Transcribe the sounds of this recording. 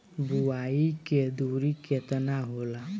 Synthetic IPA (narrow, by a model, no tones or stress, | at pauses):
buaːiked̪uːɾiket̪ənaɦoːla